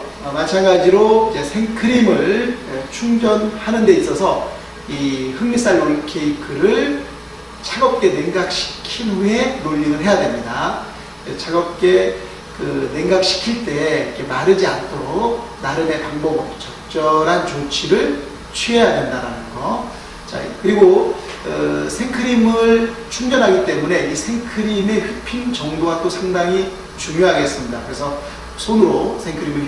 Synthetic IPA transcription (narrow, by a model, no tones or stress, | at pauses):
ʌmat͡ɕʰaŋɡad͡ʑiɾoid͡ʑe̞sʰe̞ŋkʰɯɾimɯɭt͡ɕʰuŋd͡ʑʌnhanɯnde̞is͈ʌsʰʌ | ihɯŋis͈aɭːoɭkʰe̞ikʰɯɾɯɭ | t͡ɕʰaɡʌp̚k͈e̞ne̞ŋɡak̚ɕʰi̥kʰine̞noʎːinɯnɦe̞jadwemɲida | et͡ɕʰaɡʌp̚k͈e̞ | kɯne̞ŋɡak̚ɕʰi̥kʰiɭt͈e̞ikʰe̞maɾɯd͡ʑiantʰoɾok̚ | naɾɯne̞paŋbʌɡot͡ɕʌk̚t͡ɕ͈ʌɾɦant͡ɕot͡ɕʰiɾɯɭ | t͡ɕʰɥiɦejadwe̞ndaɾanɯnɡʌ | t͡ɕa̰kɯɾiɡo | ɯsʰeŋkʰɯɾimɯɭt͡ɕʰuŋd͡ʑʌnɦaɡit͈e̞mune̞isʰe̞ŋkʰɯɾime̞hɯk̚pʰint͡ɕʌŋdowat͈osʰaŋdaŋi | t͡ɕuɲoɦaɡe̞s͈ɯmɲidakɯɾe̞sʰʌ | sʰonɯɾosʰeŋkʰɯɾimɯɭ